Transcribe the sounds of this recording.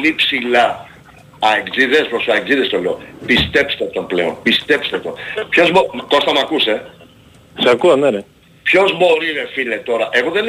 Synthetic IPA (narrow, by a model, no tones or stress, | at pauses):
lipsilɐ | ɐeɡziðespɾosɐeɡziðest̪o̞le̞opist̪e̞pst̪eot̪onple̞̰onpist̪e̞pst̪et̪onpço̞zmoko̞st̪ɐmɐkuse̞ | seakuɐnene | pço̞zmo̞ɾilefilet̪o̞ɾɐʔe̞ɣoðen